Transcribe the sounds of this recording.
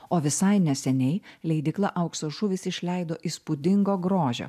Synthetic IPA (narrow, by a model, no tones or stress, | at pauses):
oːʋʲɪsɐɪnʲɛsʲɛnʲɛɪlʲɛɪd̪ʲɪklˠɐʔɐʊksoːʒʊʋʲɪsɪʃʲlʲɛɪd̪oːʔiːspʊd̪ʲɪŋɡoːɡɾoːʒʲo̰ː